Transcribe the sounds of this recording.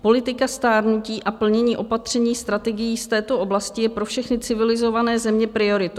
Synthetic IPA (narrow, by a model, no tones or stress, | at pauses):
po̞lɪt̪ɪkast̪aːɾnuciːʔapl̩ɲɛɲiːʔo̞pat̪r̝̥ɛɲiːst̪ɾat̪ɛɡɪjiːst̪ɛːt̪o̞ʔo̞blascɪjɛpɾo̞fʃɛxnɪt͡sɪvɪlɪzo̞vanɛːzɛmɲɛpɾɪo̞ɾɪt̪